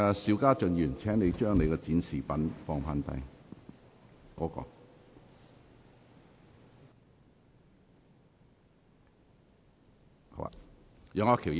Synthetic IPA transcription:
siː˨˧wkaː˥t͡ʃɵ˨njyː˨˩nt͡sʰɛː˨˥ŋne˨˧jt͡ʃœː˥ŋne˨˧kɛ˧t͡siː˨˥nsiː˨pɐ˨˥nfɔː˧ŋpʰaː˧nt̪ɐ̰˧j | kɔː˨˥kɔ̰ː˧ | o̰˧˥a̰˨jœː˨˧ŋɔː˧kʰi˨˩

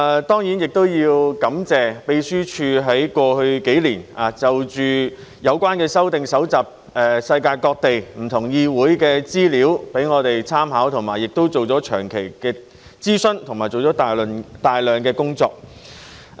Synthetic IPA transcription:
t̪ɔː˥ŋji˨˥njɪ˨k̚t̪o˥wjiː˧wkɐ˨˥mt͡sɛː˨pe˧jsyː˥t͡ʃʰyː˧ɦɐ˨˥jkʷɔː˧hɵ˧ɥke˨˥jliː˨˩naː˨˩t͡sɐ˨wt͡ʃyː˨ | jɐ˨˧wkʷaː˥nkɛː˧sɐ˥wt̪ɪ˨ŋsɐ˨˥wt͡saː˨p̚ | ʔɛ˨sɐ˧jkaː˧jkɔː˧k̚t̪e˨jm̩˨˩t̪ʰʊ˨˩ŋjiː˧wuː˨˥jkɛː˧t͡siː˥liː˨˥wpe˨˥jŋɔː˨˧t̪e˨jt͡sʰaː˥mhaː˨˥wt̪ʰʊ˨˩ŋmaː˨˩jːɪ˨k̚t̪o˥wt͡so˨wt͡sɔː˨˥t͡ʃʰœː˨˩ŋkʰe˨˩jkɛː˧ | t͡siː˥sɵ˥nt̪ʰʊ˨˩ŋmaː˨˩jt͡so˨˩wt͡sɔː˨˥t̪ːnt̪aː˨˩jlœː˨ŋkɛː˧kʊ˥ŋt͡sɔ̰ː˧k̚

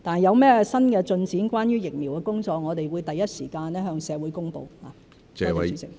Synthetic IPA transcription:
t̪aː˨n˨˩jɐ˨˧wmɛː˥ɛ˧sɐ˥nkɛː˧t͡ʃɵ˧nt͡siː˨˥nkwaː˥njyː˥jɪ˨k̚miː˨˩wkɛː˧kʊ˥ŋt͡sɔː˧k̚ŋɔː˨˧t̪e˨˩jwuː˨˧jt̪ɐ˨jːɐ˥t̚siː˨˩kaː˧nɛː˥ɦœː˧ŋsɛː˨˧wu˨˥jkʊ˥ŋpo˧whaː˨ | ɛː˨˧wɐ˨˦iː˨˥sɪ˨ŋ̚

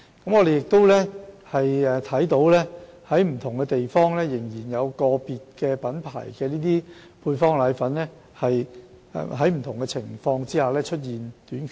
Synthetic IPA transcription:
kɐ˨˥mŋɔː˨˧ɾe˨jɪ˨k̚t̪o˥wlɛː˥hɐ˨jɛ˨t̪ʰɐ˨˥jt̪o˨˥wlɛː˥hɐ˨˥jm̩˨˩t̪ʰʊ˨˩ŋkɛː˧t̪e˨jfɔː˥ŋlɛː˥jɪ˨˩ŋjiː˨˩njɐ˨˧wkɔː˧piː˨t̚kɛː˧pɐ˨˥npʰa̰ː˨˩jkɛː˧niː˥t̪iː˥ | pʰuː˧jfɔː˥ŋlaː˨˧˥jfɐ˨˥nlɛː˥ | hɐ˨j̰ | ɦɐ˨˥jm̩˨˩t̪ʰʊ˨˩ŋkɛ˧t͡sʰɪ˨˩ŋfɔː˧ŋt͡siː˥haː˨˩lɛː˥t͡ʃʰɵ˥t̚jiː˨nt̪yː˨˥nkʰ

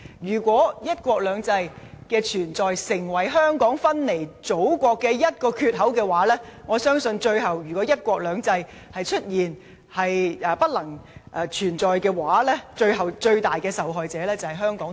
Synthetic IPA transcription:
jyː˨˩kʷɔː˨˥jɐ˥t̚kʷɔː˧k̚lœː˨˧ŋt͡sɐ˧jkɛː˧t͡ʃʰyː˨˩nt͡sɔː˨jsɪ˨˩ŋwɐ˨˩jɦœː˥ŋkɔː˨˥ŋfɐ˥nle˨˩jt͡so˨˥wkʷɔː˧kːɛː˧jɐ˥t̚kɔː˧kʰyː˧t̚ɦɐ˨˥wkɛː˧waː˨˥lɛː˥ŋɔː˨˧sœː˥ŋsɵ˧nt͡ʃɵ˧ɥɦɐ˨wjyː˨˩kʷɔː˨˥jɐ˥t̚kʷɔː˧k̚lœː˨˧ŋt͡sɐ˧j | hɐ˨jt͡ʃʰɵ˥t̚jiː˨n | hɐ˨jːpɐ˥t̚lɐ˨˩ŋʔt͡ʃʰyː˨˩nt͡sɔː˨jkɛː˧waː˨˥lɛː˥t͡ʃɵ˧ɥɦɐ˨wt͡ʃɵ˧ɥt̪aː˨jkɛː˧sɐ˨wɦɔː˨jt͡sɛː˨˥lɛː˥t͡sɐ˨˩hɐ˨˩jɦœː˥ŋkɔː˨˥ŋ

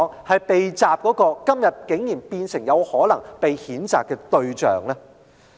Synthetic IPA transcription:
ŋhɐ˨jpe˨jt͡saː˨p̚kɔː˨˥kɔː˧kɐ˥mjɐ˨t̚kɪ˨˥ŋjiː˨˩npiː˧nsɪ˨˩ŋjɐ˨˧whɔː˨˥lɐ˨˩ŋpe˨jhiː˨˥nt͡sa̰ː˨kːɛː˧t̪ɵ˧ɥt͡ʃœ̰ː˨ŋlɛː˥

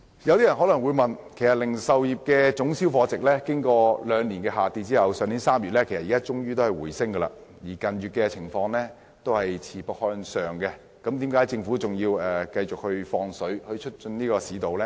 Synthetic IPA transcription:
jɐ˨wt̪i˥ɐ˨˩nɦɔ˨˥lɐ˨˩ŋwuː˨˧jmɐ˨nkʰe˨˩jsɐ˨t̚lɪ˨˩ŋsɐ˨˧wjiː˨p̚kɛː˧t͡sʊ˨˥ŋsiː˥wfɔː˨˥t͡sɪ˨k̚lɛː˥kɪ˥ŋkɔː˧lœː˨˧ŋniː˨˩nkɛ˧ɦaː˨˩t͡siː˧t͡siː˥hɐ˨wsœː˨˧ŋniː˨˥nsaː˥mjyː˨t̚lɛ˥kʰjsɐ˨iː˨kaː˥t͡ʃʊ˥ŋjyː˥t̪o˥hɐ˨˩jwuː˨˩jsɪ˥ŋɡɐː˧lɐ̰˧jiː˨˩kɐ˨nɥyː˨t̚kɛ˧t͡sʰɪ˨˩ŋfɔː˧ŋlɛː˥ | t̪o˥whɐ˨jt͡sʰiː˨˩pɐ˨k̚hœː˧nsœː˨ŋkɛ˧ | kɐ˨˥mt̪iː˨˥mkaː˨˥jt͡sɪ˧ŋfuː˨˥t͡sʊ˨˩ŋjiː˧wɛː˨kɐ˧jt͡ʃʊ˨k̚hɵ˧ɥfɔː˧ŋsɵ˨˥ɥhɵ˧ɥt͡ʃʰɵ˥t̚t͡ʃɵ˧nniː˥kɔː˧siː˨˥t̪o˨wlɛ˥

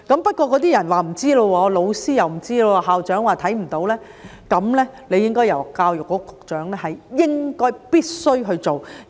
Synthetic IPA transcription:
kɐ˨˦mpɐ˥t̚kʷɔː˧kɔː˨˥t̪iː˥jɐ˨˩nwaː˨˩m̩˨˩t͡siː˥lo˧wɔː˧lo˨˧wsiː˥jɐ˨wm̩˨˩t͡siː˥lo˧wɔː˧ɦaː˨wt͡ʃœː˨˥ŋwaː˨t̪ʰɐ˨˥jm̩˨˩t̪o˨˥wlɛː˥ | kɐ˨˧mlɛː˥le˨˧jɪ˥ŋkɔː˥jɐ˨wkaː˧wjʊ˨k̚ːɔː˨˥ɔ˧kʊ˨k̚t͡ʃœː˨˥ŋlɛː˥hɐ˨jːɪ˥ŋkɔː˥jpiː˥t̚sɵ˥ɥɦɵ˧ɥt͡ʃo˨w

